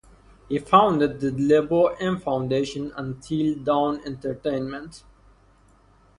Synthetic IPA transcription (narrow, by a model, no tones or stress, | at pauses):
hifãʊ̃ndəd̪̚d̪əleboʔɛ̃nfãʊ̃ndeːʃə̃nə̰̃ntʰildãʊ̃nɛ̰̃ntə˞ʈẽɪ̃nmə̃nt